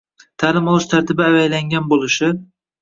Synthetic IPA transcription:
t̪ʰaːlɪmɒlˠɪʃt̪ʰaɾt̪ʰɪbɪavajlaŋɡʲanbolˠɪʃɪ

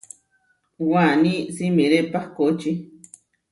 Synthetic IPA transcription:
wanĩsimĩɾepakot͡ʃi

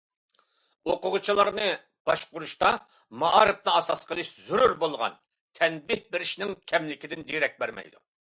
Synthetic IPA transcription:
oqʊʁʊt͡ʃʰilˠɑɾnɨ | b̥ɑʃqʊɾuʃt̪ɑ | mɑɑɾɨp̚nɨɑsɑsqʰəlˠɨʃzuɾuɾbolˠʁɑ̰n | t̪ʰɛnbɪhbɪɾɪʃnɪŋkʲʰɛmlɪkʲɪd̪ɪnd̪iɾɛk̚ʲbæɾmɛ̰jd̪ṵ

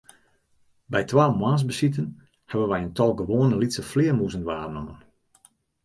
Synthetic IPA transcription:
bɛjtwaːmwaːns̬bəsitən | hɛbənʋɛjəntɔlˠɡəʋoːnəlitsəflɪːəmuzənʋaːnɔmən

